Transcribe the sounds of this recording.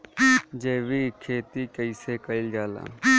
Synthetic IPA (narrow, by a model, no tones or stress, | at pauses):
d͡ʒeːʋiːkʰeːt̪iːkəiseːkəɪld͡ʒaːla̰ː